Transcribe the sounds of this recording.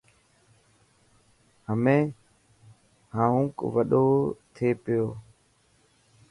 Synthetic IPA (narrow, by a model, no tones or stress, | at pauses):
həmẽː | hãːɦũːkʋəɗoːt̪ʰeːpɪjoː